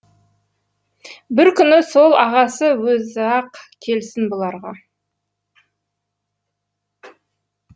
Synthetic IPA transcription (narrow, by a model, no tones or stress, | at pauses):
bɪɾkʲʏnɪso̞lˠɑʁɑsəwɵzɑqkʲʰe̞lsɪnbolˠɑɾʁɑ